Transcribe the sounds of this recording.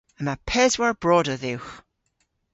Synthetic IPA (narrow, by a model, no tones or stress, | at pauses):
ənapʰɛzwaɹb̥ɹɔdəðɪwx